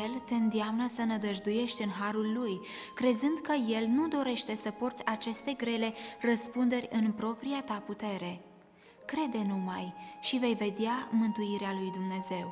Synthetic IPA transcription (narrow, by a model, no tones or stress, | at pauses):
elt̪e̞ɨnd̪iamnəsənəd̪əʒd̪uje̞ʃt̪ʲɨnɦaɾulːuj | kɾe̞zɨnd̪kəje̞lnud̪o̞ɾe̞ʃt̪e̞səpo̞rt̪sʲat͡ʃe̞st̪e̞ɡɾe̞le̞rəspund̪e̞rʲɨnpɾo̞pɾiat̪aput̪e̞ɾe̞ | kɾe̞d̪e̞numajʃive̞jve̞d̪eamɨnt̪uiɾealujd̪umne̞ze̞w